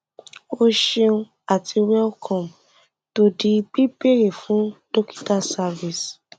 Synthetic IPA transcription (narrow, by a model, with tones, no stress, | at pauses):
o˦ʃe˧ũ˧ | a˨ti˧wɛ˦lkʰɔ̃˨m | to˦di˦˧k͡pi˦be˦ɾe˨fũ˨˦do˦ki̥˦ta˦sa˧vi˨s